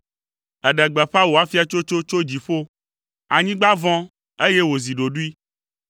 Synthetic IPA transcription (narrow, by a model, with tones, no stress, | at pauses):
ɛ˨ɖɛ˨ɡ͡bɛ˨ɸa˦wo˨a˨fi˦a˨t͡ʃo˦t͡ʃo˦t͡ʃo˦d͡ʑi˨ɸo˦ | a˨ɲĩ˦ɡ͡ba˦vɔ̃˦ | e˦je˦wo˨zi˨ɖo˨ɖu˦i˦